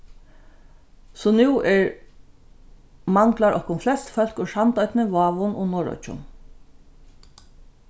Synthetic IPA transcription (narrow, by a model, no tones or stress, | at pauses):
sɔnɛwɛɹ | maŋklaɹʔɔkʊnflɛst̪fœlkʊʂant̪œjt̪nɪʋɑːʋʊnʔʊ̰nɔːɹɔ̰t͡ʃʊ̰n